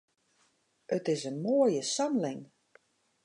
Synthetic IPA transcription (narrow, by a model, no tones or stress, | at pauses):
ətɪsənmoːəjəsɔmlɪŋ